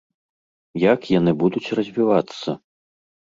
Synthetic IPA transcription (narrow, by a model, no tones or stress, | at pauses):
jakjanɨbud̪ut͡sʲrɐzʲvʲivat̪sːɐ